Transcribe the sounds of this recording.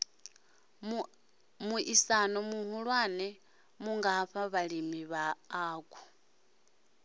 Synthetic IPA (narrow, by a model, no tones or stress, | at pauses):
muʔisanɔmuhuɺwanɛ | muŋɡaɸaβalimiβaːku